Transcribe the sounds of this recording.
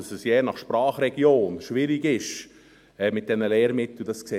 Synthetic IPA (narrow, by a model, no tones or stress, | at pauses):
ɑsəsjɛːnɑχʃpɾɑːχɾɛɡ̥joːnʃʋɪɾiɡɪʃ | ɛmɪt̚d̥ɛnəlɛːɾmɪt̪l̩d̥ɑskseː